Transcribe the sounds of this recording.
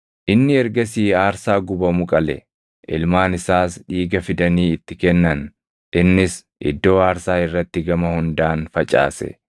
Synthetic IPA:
ʔɪnːɪɛɾɡɐsiːaːɾsaːɡʊbɐmʊkʼɐlɛ̰ | ʔɪlmaːnɪsaːsɗiːɡɐfɪd̪ɐniːɪt̪ːɪkɛnːɐn | ʔɪnːɪs | ʔɪ̰d̪ːo̞ːaːɾsaːɪrːɐt̪ːɪɡɐmɐhʊnd̪aːnfɐt͡ʃʼa̰ːsɛ̰

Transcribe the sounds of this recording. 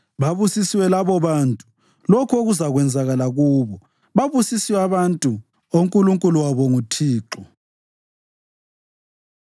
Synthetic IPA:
βaβusisiwɛlaβɔβaːntʼu̥ | lɔkʰoɣuzaɣwɛnd͡zʱaɣalaɣuːβɔ | βaβusisiwaβantʼu | oŋkʼuluŋkʼuluwaβɔŋutʰiːǁɔ

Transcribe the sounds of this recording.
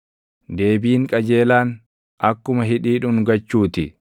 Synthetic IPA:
d̪e̞ːbiːŋkʼɐd͡ʒe̞ːlaːn | ʔɐkːʊmɐɦɪᶑiːᶑʊnɡɐt͡ʃːuːt̪ɪ

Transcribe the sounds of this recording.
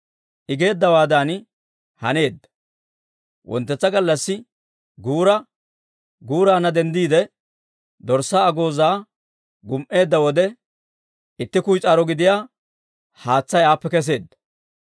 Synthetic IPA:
ʔɪɡe̞ːd̪ːɐwaːd̪an | hɐ̰ne̞ːd̪ːɐ̥ | wʔɔ̰nt̪ːɛt͡sːɐɡɐlːɐsːɪ | ɡuːɾɐ | ɡuːɾaːnɐd̪ɛnd̪iːd̪ɛ | d̪ɔɾsːaːɡo̞ːzaː | ɡʊmʔe̞ːd̪ːɐwɔd̪ɛ | ɪt̪ːɪkʊjt͡sʼaːɾɔɡɪd̪ɪjaː | haːt͡sːɐjaːpːɛkɛs̬e̞ːd̪ːɐ̥

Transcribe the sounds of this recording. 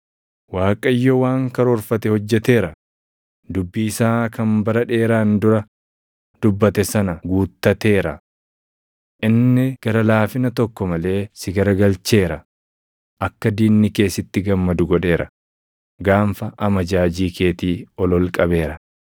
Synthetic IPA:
waːkʼɐjːɔwaːŋkɐɾoːɾfɐt̪ɛhɔd͡ʒːɛt̪e̞ːɾɐ | d̪ʊbːiːɪsaːkɐnbɐɾɐᶑe̞ːɾaːnd̪ʊɾɐ | d̪̥ʊbːɐt̪ɛsɐnɐɡuːt̪ːɐt̪e̞ːɾɐ̰ | ʔɪnːɛɡ̥ɐɾɐlaːfɪnɐt̪ɔkːɔmɐle̞ːsɪɡɐɾɐɡɐlt͡ʃe̞ːɾɐ | ʔɐkːɐd̪iːnːɪke̞ːsɪt̪ːɪɡɐmːɐd̪ʊɡɔᶑe̞ːɾɐ̰ | ɡaːmfɐʔɐmɐd͡ʒaːd͡ʒiːkʰe̞ːt̪iːɔlɔlkʼɐbe̞ːɾɐ

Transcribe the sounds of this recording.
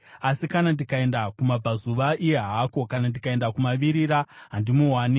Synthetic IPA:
asikanandikae̞ndakumab͡vazuʋaʔijeɦako̞kanandikae̞ndakumaʋiɾiɾaɦandimuɦwaːni

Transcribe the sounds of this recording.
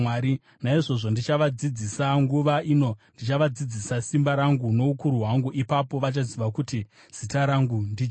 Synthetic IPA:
aːɾi | naiʐo̞ʐo̞ndit͡ʃaʋad͡zid͡zisaŋɡuʋaino̞ndit͡ʃaʋad͡zid͡zisasimbaɾaŋɡuno̞ukuɾuɦwaŋɡuʔipapo̞ʋat͡ʃaziʋakuti | z̥itaɾaŋɡundi

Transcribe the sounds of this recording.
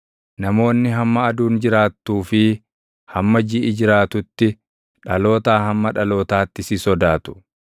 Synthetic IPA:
nɐmo̞ːnːɪɦɐmːɐːd̪uːnd͡ʒɪɾaːt̪ːuːfɪ | hɐmːɐd͡ʒiɪd͡ʒɪɾaːt̪ʊt̪ːɪ | ᶑɐlo̞ːt̪aːhɐmːɐᶑɐlo̞ːt̪aːt̪ːɪsɪsɔd̪aːt̪ʊ̥

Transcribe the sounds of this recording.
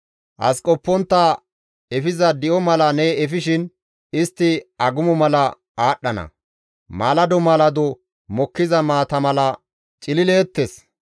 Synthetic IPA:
ʔɐ̰skʼɔpːɔnt̪ːa | ɛfɪzɐd̪ɪʔɔmɐlɐnɛɛfɪʃɪn | ɪst̪ːɪɐɡʊmɔmɐlɐ | aːɗːɐnɐ̰ | maːlɐd̪ɔmaːlɐd̪ɔ | mɔkːɪzɐmaːt̪ɐmɐlɐ | t͡ʃʼɪlɪleːt̪ːes

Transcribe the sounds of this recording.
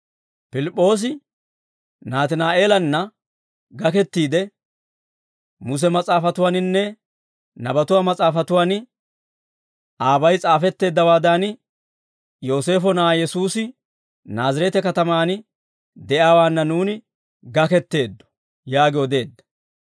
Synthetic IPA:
pɪlɪpʼːo̞ːs̬ɪ | naːt̪ɪnaːʔe̞ːlɐnːɐ | ɡɐkɛt̪ːiːd̪ɛ | mʊs̬ɛmɐt͡sʼaːfɐt̪ʊwaːnɪnːɛ | nɐbɐt̪ʊwaːmɐt͡sʼaːfɐt̪ʊwaːnɪ | aːbɐjt͡sʼaːfɛt̪ːe̞ːd̪ːɐwaːd̪aːnɪ | jo̞ːse̞ːfɔnaːjɛsuːsɪ | naːzɐɾɛt̪ɛkɐt̪ɐmaːnɪ | d̪ɛʔaːwaːnːɐnuːnɪ | ɡɐkɛt̪ːe̞ːd̪ːɔ̥ | jaːɡɪwɔd̪e̞ːd̪ːɐ̥

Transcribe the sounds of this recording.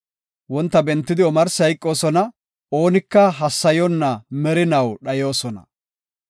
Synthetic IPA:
wɔnt̪ːɐbɛnt̪ːɪd̪ɪwɔmɐɾsɐjkʼːo̞ːsɔnɐ | oːnɪkːɐɦɐsːɐjɔnːɐmɛɾɪnɐwɗɐjo̞ːsɔnɐ̰

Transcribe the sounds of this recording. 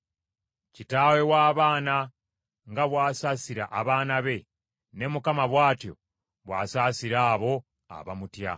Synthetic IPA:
citaːwe̞waːβaːna | ŋɡaβwaːsasiɾa̰ʔaβaːnaβe̞ | ne̞mukamaβwaːtjo̞̰ | βwa̰ːsaːsiɾaːβo̞ | a̰βa̰mutja̰

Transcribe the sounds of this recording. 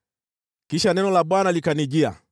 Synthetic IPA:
kiʃanɛnɔlaɓwanalikaniʄia̰

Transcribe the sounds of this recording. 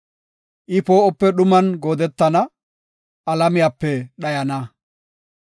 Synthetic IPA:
ʔɪpoːʔɔpːɛɗʊmɐnɡo̞ːd̪ɛt̪ːɐnɐ | ʔɐlɐmɪjaːpːɛɗɐjɐnɐ

